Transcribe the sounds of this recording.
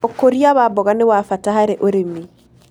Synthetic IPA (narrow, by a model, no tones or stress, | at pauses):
ɔkoɾiaβabɔɣanewafatahaɾeʔoɾemi